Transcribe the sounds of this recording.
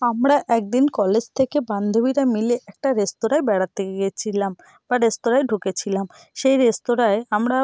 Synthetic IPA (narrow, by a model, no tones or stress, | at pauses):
amɾaʔɛk̚d̪inkɔled͡ʑt̪ʰekeband̪ʱobiɾamileʔɛk̚ʈaɾest̪oɾaebɛɽat̪eɡet͡ɕʰilam | baɾest̪oɾajɖʱuket͡ɕʰilam | ʃejɾest̪oɾaeamɾa